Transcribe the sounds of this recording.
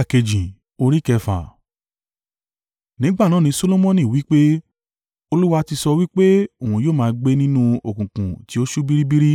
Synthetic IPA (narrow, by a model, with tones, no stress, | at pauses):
a˨ke˨d͡ʒĩ˨ | o˧ɾi˦kɛ˧fa̰˨ | nĩ˨˦ɡ͡ba˦˨nãː˨˦˨nĩ˧so˦lo˦mɔ̃˦nĩ˦˨wi˦k͡pe˦ | o˧lu˦wa˧ti˧sɔ˧wi˦k͡pe˦o˨ũ˨joː˦˨mãː˧ɡ͡be˦nĩ˦nũ˦o˨kũ˨kũ˨ti˨˦o˦ʃu˦bi˦ɾi˦bi˦ɾi˦